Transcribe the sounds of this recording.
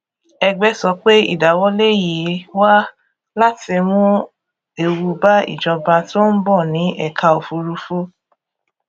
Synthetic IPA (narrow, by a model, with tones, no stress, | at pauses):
ɛ˧ɡ͡bɛ˦sɔ˧k͡pe˦ḭ˦˨da˨wɔ˨˦le˦ji˨˦wa˦ | la˦ti˧mũ˦ | e˧wu˧ba˦ḭ˨d͡ʒɔ˧ba˧to˦n̩˦bɔ˦˨nĩ˨˦ʔɛ˦˨kʰa˧o˨fu˧ɾu˧fu˦